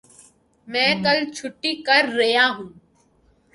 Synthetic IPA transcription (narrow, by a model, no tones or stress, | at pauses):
mɛ̃ːkɐlt͡ʃʰʊʈːikəɾːɐjaːɦũː